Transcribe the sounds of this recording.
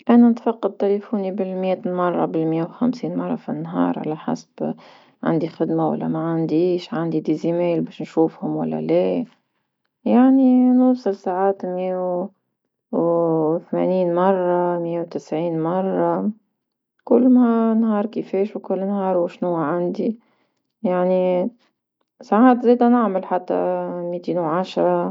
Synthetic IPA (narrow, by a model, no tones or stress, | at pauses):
ʔananɪt̪fɑqːɑd̪̚t̪elefuːnibɪlmjeːt̪mɑrˤːɑbɪlmɪjewxamsiːnmɑrˤːɑ̰finːɦɑ̰ːɾˤʕa̰laħa̰sb̥ | ʕa̰nd̪ixɪd̪mawa̰lːa̰maʕand̪iːʃʕand̪id̪izimeːlbeːʃnʃuːfhʊmwa̰lːa̰leː | jaʕninuːsˤɨlsaʕaːt̪mje | wθmḛniːnmɑrˤːɑmɪjːewt̪ɪsʕiːnmɑrˤːɑ | kʊlːmanɦɑːɾˤkɪfeːʃwkʊlːnhɑːɾˤwʃnuːʕand̪i | jaʕni | saʕaːt̪zeːd̪anɪʕmalħat̪ːa̰mit̪iːnwʕaʃɾˤɑ